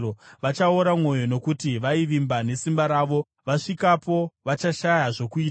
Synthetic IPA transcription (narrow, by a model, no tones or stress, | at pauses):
oʋat͡ʃaoɾamwo̞jo̞no̞kutiʋaiʋimbane̞simbaɾaːʋo̞ | ʋaʂikapo̞ʋat͡ʃaʃajaʐo̞kuiːtaa